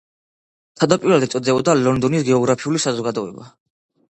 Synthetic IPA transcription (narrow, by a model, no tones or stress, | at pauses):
t̪ʰad̪apʼiɾwɛlˠd̪ɛt̪sʼɔd̪zɛbɔd̪alɔnd̪ɔnisɡɛɔɡɾapʰiulisazɔɡad̪ɔɛ̰ba